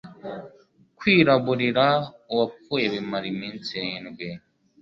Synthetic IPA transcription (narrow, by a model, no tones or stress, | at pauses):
kwiːɾaβuɾiɾauwapueβimaɾimint͡siːnɡwe